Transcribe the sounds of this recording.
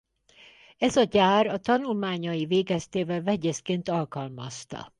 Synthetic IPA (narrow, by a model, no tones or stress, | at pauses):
ɛzɒɟaːrɒt̪ɒnulmaːɲɒjiveːɡɛst̪eːvɛlvɛɟeskeːnt̪ɒlkɒlmɒst̪ɒ̰